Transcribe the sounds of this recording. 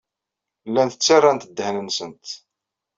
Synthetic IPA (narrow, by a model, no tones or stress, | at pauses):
lːænθət͡sːarˤːant̪əd̪ːəhnənsənt̪